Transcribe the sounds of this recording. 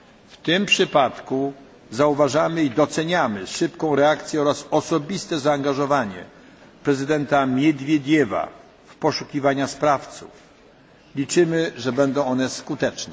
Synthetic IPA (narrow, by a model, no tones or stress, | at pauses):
ft̪ɪmpʂɘpat̪ku | zauvaʐamɘid̪ɔt̪sɛɲamɘʂɘpkɔ̃w̃ɾɛakt̪sʲjɛɔɾasɔsɔbʲist̪ɛzaːŋɡaʐɔvaɲɛ̰ | pɾɛzɘd̪ɛnt̪amʲjɛd̪vʲjed̪ʲjɛva̰ | fpɔʂukʲivaɲaspɾaft̪sṵf | lʲit͡ʂɘmɘʐɛbɛnd̪ɔ̃w̃ɔnɛskut̪ɛt͡ʂnɛ